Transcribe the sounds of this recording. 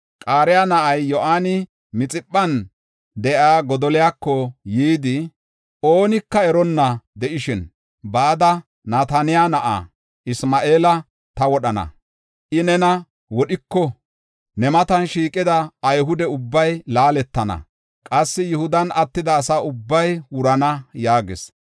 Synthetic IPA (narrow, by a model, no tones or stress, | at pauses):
kʼaːɾɪjaːnɐʔɐjːɔʔaːnɪ | mɪt͡sʼɪpʼːɐn | d̪ɛʔaːɡɔd̪ɔlɪjakːɔjiːd̪ɪ | o̞ːnɪkːɐɛɾɔnːɐd̪ɛʔɪʃɪn | baːd̪ɐ | naːt̪ɐnɪjanɐʔa̰ː | ʔɪsmaːʔeːlɐ | t̪ɐwɔɗɐnɐ̰ | ʔɪnɛnɐ | wɔɗɪkːɔ | nɛmɐt̪ɐnʃiːkʼɪd̪ɐːjɦʊd̪ɛʊbːɐjlaːlɛt̪ːɐnɐ̰ | kʼɐsːɪjʊhʊd̪ɐnɐt̪ːɪd̪ɐːsaʊbːɐjwʊɾɐnɐjaːɡɪ̰s